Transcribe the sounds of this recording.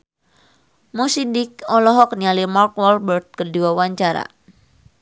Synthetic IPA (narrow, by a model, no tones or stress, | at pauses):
musidikɔlɔɦɔk̚nialimarkwɔlbərt̪̚kəduwawaɲt͡ʃaɾa̰